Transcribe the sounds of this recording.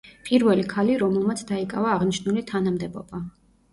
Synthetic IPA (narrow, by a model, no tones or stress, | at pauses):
pʼiɾvɛlikʰaliɾɔmɛlˠmat̪sʰd̪aikʼa̰vaːʁniʃnulit̪ʰanamd̪ɛbɔ̰b̥a